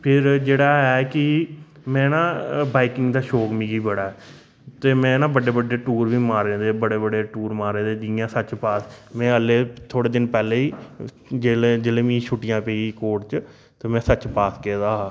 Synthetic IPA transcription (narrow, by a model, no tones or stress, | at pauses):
pʰɪɾd͡ʒeːɽaːɛːkɪ | mɛ̃ːnãːbaːɪkɪ̃ŋɡd̪aːʃoːkmĩːɡiːbəɽaːɛː | t̪eːmɛ̃ːnãːbəɖeːbəɖeːʈuːɾʋiːmaːɾẽːd̪eːbəɽeːbəɖeːʈuːɾmaːɾẽːd̪eːd͡ʒɪjãːsət͡ʃpaːsmɛ̃ːəlːeːt̪ʰoːɽeːd̪ɪnpɛːleːiː | d͡ʒeːld͡ʒeːlẽːʋĩːʃʰʊʈɪjãːpeːiikoːʈt͡ʃ | t̪eːmɛ̃ːsət͡ʃpaːskeːd̪aːaː